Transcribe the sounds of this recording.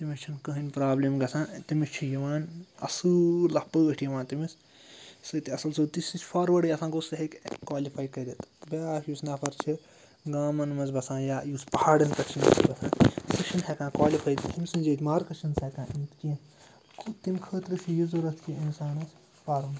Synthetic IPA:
t̪imist͡ʃʰinkɐɦinʲpɾaːbleːmɡɐsãːt̪imist͡ʃʰijiʋaːnɐ̰sɨlɐhpəːəʈʰjiʋãːnt̪imis | sɐt̪iɐsɐlsɐt̪isit͡ʃʲfʰaːɾʋɐɖijɐsãːɡosɐɦikkwaːlipʰaːjkɐd̪et̪baːʃjusnaːpʰɐɾt͡ʃʰi | ɡaːmɐnmɐzbɐsãːjaːjuspɐhaːɽɐnkɐt͡ʃʰinsiibɐsãːsɐʃinɦekãːkwaːlifʰaːjt̪t̪imʲsind͡ʒɐːt̪ʲmaːɾkɐt͡ʃʰinsɐkãːʔiːt̪ki | kʰt̪imʲkʰəːt̪ɾɨt͡ʃʰijizuɾɐt̪ʰkiinsaːnɐs | paːɾɐn

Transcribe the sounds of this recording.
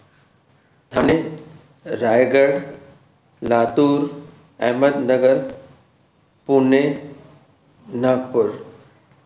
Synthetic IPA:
t̪ʰaːñe | ɾaːjɡəɽ | laːt̪uːɾ | ɛ̰ɦməd̪nɐɡəɾ | pune | napʊɾ

